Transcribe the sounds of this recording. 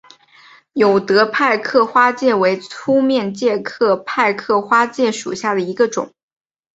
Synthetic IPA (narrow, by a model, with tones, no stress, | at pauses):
jo˨˩ʊt̪ɤ˧˥pʰa˥˧ɪkʰɤ˥˩xwa˥t͡ɕjɛ˥˩we˧˥ɪt͡sʰu˥mjɛ˥˧nt͡ɕjɛ˥˧kʰɤ˥˧pʰa˥˧ɪkʰɤ˥˩xwa˥t͡ɕjɛ˥˩ʂṵ˨˩ɕja˥˩d̪ə˩i˧˥ɡə˧ʈ͡ʂʊ̰˨˩˦ŋ